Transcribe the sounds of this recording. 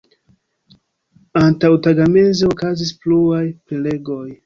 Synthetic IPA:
antawtaɡamezeokazispluajpele̞ɡo̞j

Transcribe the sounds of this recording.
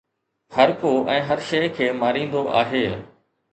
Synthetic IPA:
hɐɾkoʔɛ̃ːɦɐɾʃeːkʰeːmaːɾĩːn̆d̪oʔa̰ːɦeː

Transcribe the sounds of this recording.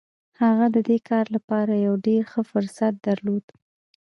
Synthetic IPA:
haɣad̪əd̪ekɑɾlapɑɾajawɖeɾxəfʊɾsat̪̚d̪aɾlod̪̥

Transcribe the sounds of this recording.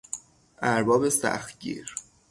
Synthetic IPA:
ʔæɾbɒːbe̞sæ̰xt̪̚ɡḭːɾ

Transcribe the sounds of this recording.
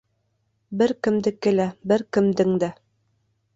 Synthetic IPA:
bɘɾkɘ̆md̪ɘkːɘ̆læbɘɾkɘ̆md̪ɘŋd̪æ

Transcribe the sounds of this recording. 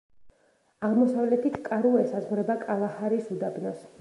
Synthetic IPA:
aʁmɔsavlɛt̪ʰit̪ʰkʼaɾuɛsazʁɾɛbakʼalˠahaɾisud̪abnɔs

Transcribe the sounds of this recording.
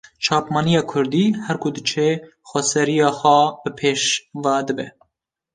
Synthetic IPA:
t͡ʃʰɑːpmɑːnijɑːkʰʊɾd̪iːhɛɾkʰʊd̪ɨt͡ʃʰeː | xʷɛsɛɾijɑːxʷɑb̥ɨpʰeːʃvad̪ɨbɛ

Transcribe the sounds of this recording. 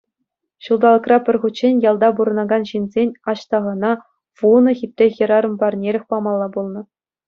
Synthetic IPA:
ɕulˠd̪ɑlˠɤ̆krɑpʲɘ̆rʲχut͡ɕːenʲjɑlˠd̪ɑbuɾɤ̆nɑɡɑnɕinʲzʲenʲɑɕt̪ɑʁɑnɑ | ʋunɤ̆xʲip̚ʲrʲexʲɘ̆ɾɑɾɤ̆mbɑrnʲeɾʲɘ̆xʲpɑmɑlˠːɑbulˠnɤ̆

